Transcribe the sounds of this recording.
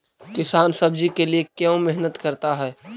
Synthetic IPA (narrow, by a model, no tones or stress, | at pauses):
kɪsaːnsɐbd͡ʒikeliekjɛõmɛɦnət̪kɐɾt̪aɦɛː